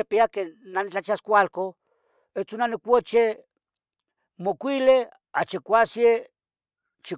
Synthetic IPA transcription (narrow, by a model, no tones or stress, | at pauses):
epiakenanit͡ɬat͡ʃiaskʷalko | et͡sunanikʷot͡ʃe | mokʷile | at͡ʃikʷasje | t͡ʃi